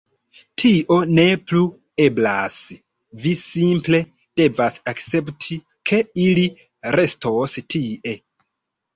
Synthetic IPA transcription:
tʰiʔo̞ne̞plu | e̞bla̰s | visimple̞ | d̥e̞vasakt͡se̞ptʰi | kʰe̞ili | ɾe̞stʰostʰiʔe̞

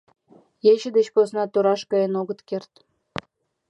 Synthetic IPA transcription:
jet͡ɕɘ̆d̪et͡ɕposnɑt̪uɾɑʃkɑjenoɣə̆t̪kert̪

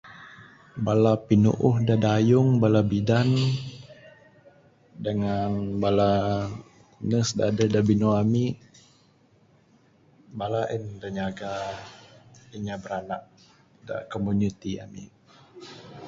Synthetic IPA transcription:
balapinṵʔʊhdadajʊŋbalabidan | dəŋanbala | nəsdadədabinoami | balaʔəndaɲaɡa | iɲabəɾanak̚ | da̰komunit̪ia̰mḭ

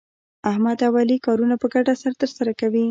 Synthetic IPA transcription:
ahmad̪awalikɑɾunapəɡaɖasaɾt̪əɾsaɾakawi

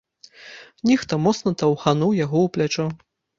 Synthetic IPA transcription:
nʲɛxt̪ɐmɔt̪snɐt̪ɐwxanuwjaɣɔwplʲat͡ʂɛ

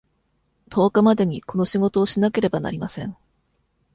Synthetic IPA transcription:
t̪ʰo̞ːkamad̪e̞ɲ̟iko̞no̞ɕiɡo̞t̪o̞ːɕinake̞ɾe̞bana̰ɾʲimasẽ̞̰ɴ

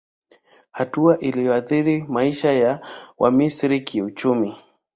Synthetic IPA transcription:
hatuaʔilijɔaθiɾimaiʃajawʔa̰misɾikʰiut͡ʃumi

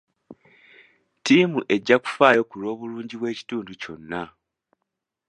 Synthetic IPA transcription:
timuʔe̞ɟːaku̥faːjo̞kuɾo̞ːβuluːɲɟiβwe̞ːci̥tuːnduco̞nːa

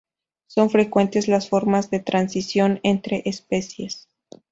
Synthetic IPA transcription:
so̞nfɾe̞kwe̞nt̪ezlasfo̞ɾmazðe̞t̪ɾansisjo̞nent̪ɾe̞ʔespe̞sje̞s

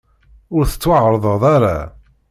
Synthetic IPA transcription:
ʊɾθə̥t͡sːwəʕɾˤəðˤəðˤaɾa̰

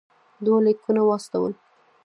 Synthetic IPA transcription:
d̪walikunawɑst̪awə̰l

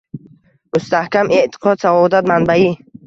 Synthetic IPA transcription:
must̪ahkamʔeʔt̪ʰi̥qʰɔd̪savɔd̪ad̪manbai

